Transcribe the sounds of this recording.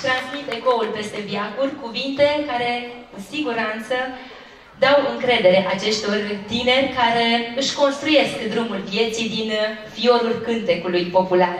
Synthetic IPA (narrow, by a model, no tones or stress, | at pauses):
t̪ɾansmit̪eko̞ulpe̞st̪e̞bjakurʲkuvint̪e̞kaɾe̞kusiɡuɾant̪sə | d̪awɨŋkɾe̞d̪e̞ɾe̞ʔat͡ʃe̞st̪o̞rt̪ine̞rʲkaɾe̞ɨʃko̞nst̪ɾuje̞skd̪ɾumulvje̞t̪sid̪infio̞ɾulkɨnt̪e̞kulujpo̞pular